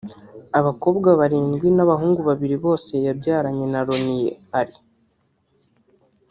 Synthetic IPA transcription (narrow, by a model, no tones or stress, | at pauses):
aβako̞ːbɡaβaɾiːŋɡwinaβaɦuːŋɡuβaβiɾiβo̞ːse̞jaβɟaːɾaɲe̞naɾo̞nije̞̰aɾi